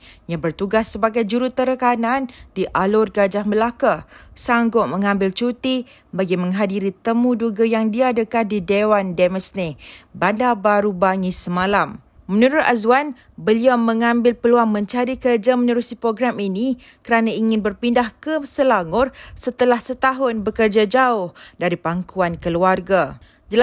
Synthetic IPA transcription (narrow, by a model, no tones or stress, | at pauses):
jabərt̪uɡasːəbaɡajd͡ʒuɾut̪əɾəkanãndiʔalʊrɡad͡ʒahməlakasaŋɡʊʔ̚mə̃ŋãmbɪlt͡ʃut̪i | baɡimə̃ŋɦadiɾit̪əmũduɡajaŋdiadəkat̪̚didewandɛməsnẽbandabaɾubaŋisəmãlamː | ə̃nuɾʊt̪̚azuwan | bəliawmə̃ŋãmbɪlpəluaŋmə̃ɲt͡ʃaɾikərd͡ʒamənəɾusipɾoɡɾamini | kəɾanaiŋɪ̃nbərpindahkəsəlaŋʊrsət̪əlahsət̪aɦʊnbəkərd͡ʒad͡ʒaʊhdaɾipaŋkuankəluarɡa | d͡ʒəla